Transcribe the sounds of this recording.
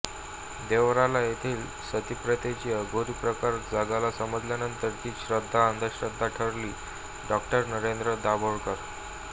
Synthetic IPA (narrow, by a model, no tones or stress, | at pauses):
d̪eʋɾalajet̪ʰiːl | sət̪ipɾət̪ed͡ʑiəɡʱoɾipɾəkaɾd͡zaɡalasəməd͡zljanənt̪əɾt̪iːɕɾəd̪ʱːaənd̪ʱəɕɾəd̪ʱːaʈʰəɾliː | ɖɔkʈəɾnəɾend̪ɾəd̪abʱoɭkəɾ